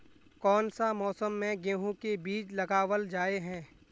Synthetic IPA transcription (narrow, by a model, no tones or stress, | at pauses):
kɔːnsamɔːsəmːẽɡẽːɦũkebiːt͡ʃlɐɡaːʋəld͡ʒaːeɦɛ̃ː